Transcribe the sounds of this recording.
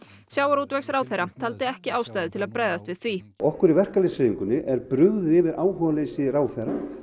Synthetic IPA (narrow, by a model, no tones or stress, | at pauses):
sjaːwaɾut̪vɛksɾaːwθejɾat̪ʰalt̪ɪɛhcɪaːwst̪ajðɪt̪ʰɪlaðpɾaːjðast̪vɪð̥θviɔhkʏɾivɛr̥kaleseːjiŋkʏnːɪʔɛɾpɾʏɣðɪvɪɾaːwɦuvalejsɪɾaːwθɛɾa